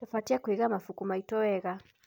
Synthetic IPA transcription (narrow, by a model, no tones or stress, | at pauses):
tafatiakuiɣamafukumaitɔwɛɣa